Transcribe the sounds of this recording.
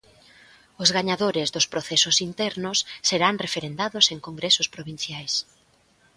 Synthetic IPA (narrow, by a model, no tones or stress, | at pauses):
ʊzɣaɲaðoɾɪzðʊspɾoθɛsʊsint̪ɛɾnʊsːeɾaŋrefeɾend̪aðʊseŋkoŋɡɾesʊspɾoβin̟θjajs